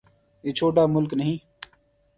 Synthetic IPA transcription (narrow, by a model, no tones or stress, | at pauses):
jeːt͡ʃʰoːʈaːmʊlknəɦĩː